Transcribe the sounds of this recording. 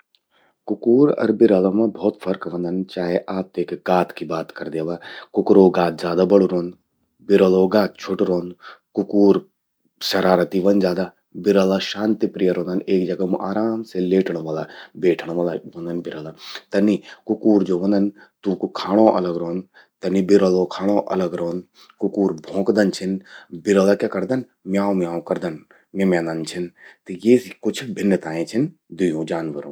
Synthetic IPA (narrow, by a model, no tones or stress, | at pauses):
kʊkuːɾɐ̰ɾbɪɾalamãbʱɔːt̪fʰɐɾkʋɐ̃nd̪ənt͡ʃaːɦeʔaːp̚t̪eːkɡaːt̪ʰkibaːt̪kɐɾd̪jaʋaːkʊkɾoːɡaːt̪zʲjaːd̪abɐɽuɾoːn | bɪɾəloːɡaːt̪̚t͡ʃʰoʈɾoːnkʊkuːɾ | ʃɐɾaːɾət̪iʋɐnzjaːd̪a | bɪɾalaʃãːnt̪ipɾijəɾõːnd̪əneːk̚d͡ʒɐɡamuʔaːɾaːmseleːʈʰəɽ̃oʋaːlabeːʈʰəɳ̃ʋaːlaʋɐ̃nd̪ənbɪɾaːlaːt̪ɐnːikʊkuːɾd͡ʒoːʋɐ̃nd̪ən | t̪ũːkkʰaːɽ̃õːʔɐ̰ləɡɾoːn | t̪ɐnːibɪɾoloːkʰaːɽ̃õːʔɐ̰ləɡɾoːn | kʊkuːɾbʱõːkd̪ənt͡ʃʰɪnbɪɾaːlaːkakɐɾd̪ən | mjaːõmjaːõkɐɾd̪ən | mẽmjãːnd̪ənt͡ʃʰɪnt̪ɐjeːskʊt͡ʃʰbʱɪnːət̪aːẽːt͡ʃʰɪn | d̪ʊjõːd͡ʒaːnʋəɾõ̰ː